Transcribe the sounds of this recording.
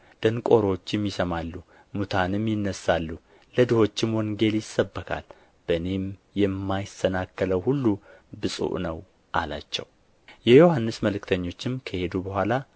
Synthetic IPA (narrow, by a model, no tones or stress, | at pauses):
d̪̥ənkʼo̞ɾo̞t͡ʃːɪmjɪsəmalːu | mut̪ʰanɨmjɪnːəsːalːu | ləd̪ɨho̞t͡ʃːɪmwɔŋɡe̞ljɪsːəbːəkʰa̰l | b̥əne̞mjɛmːajɪsənakːələwhulːubɨsʼṵʔnəw | ʔala̰t͡ʃːɛ̰w | jɛjo̞hanːɨsməlɨkt̪ʰəɲːo̞t͡ʃːɪmkʰəhe̞d̪ubəhʷala